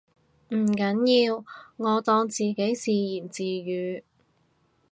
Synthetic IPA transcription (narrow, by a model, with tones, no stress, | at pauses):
m̩˨˩kɐ˨˥njiː˧wŋɔː˨˧t̪ɔː˧ŋt͡siː˨ke˨˥jsiː˨jiː˨˩nt͡siː˨˧jyː˨˧